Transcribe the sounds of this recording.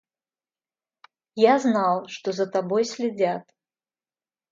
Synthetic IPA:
jaznalˠʂt̪ɔzɐt̪abɔjsʲlʲɪd͡zʲat̪

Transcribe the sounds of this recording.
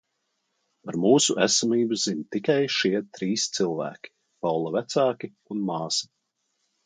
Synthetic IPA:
aɾmuːsuʔæsamiːbuzinʲt̪ikajʃiɛt̪ɾiːst̪silˠvæ̰ːkʲi̥ | pawlˠavæt̪sɑːkʲi | unmɑːsɐ̥

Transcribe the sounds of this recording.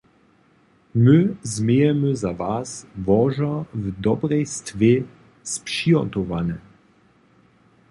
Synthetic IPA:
məzmejɛməzavaːsvɔʒɐvd̪ɔbʁɛjst̪ve | spʂiɔt̪ɔvanɛ

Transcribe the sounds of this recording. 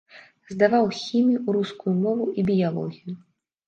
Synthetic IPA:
zd̪avawxʲimʲjuuɾuskujumɔvuʔibʲijalˠɔ̰ɣʲiju

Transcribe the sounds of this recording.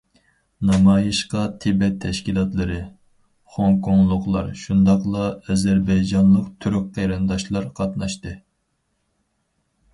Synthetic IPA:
nɑmɑːjiʃqɑt̪ʰɪbɛt̪ʰːɛʃkʲilˠɑt̪lˠɨɾɨ | χoŋkʰoŋlˠʊqlˠɑ̰ɾʃund̪ɑqlˠɑɛzæɾbɛjd͡ʒɑnlˠəqt̪ʰyɾyk̚qʰːeɾɨnd̪ɑʃlˠɑɾqʰɑt̪nɑʃt̪ɨ

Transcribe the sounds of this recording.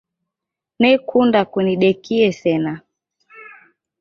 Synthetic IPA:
nɛkʰundakuniɗɛkiɛsɛna

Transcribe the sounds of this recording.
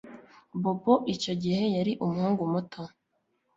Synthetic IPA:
boboʔit͡ʃo̞ɟihe̞jaɾiʔumuhuːŋɡumutʰo

